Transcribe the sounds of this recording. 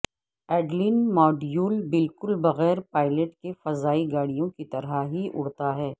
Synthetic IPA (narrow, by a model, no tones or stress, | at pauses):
ɛːɖlɪnmɔːɖijuːlbɪlkʊlbɐɣɛːɾpaːɪləʈkefɐzaːiɡaːɽijõkit̪ɐɾaɦiʔʊɽt̪aɦɛː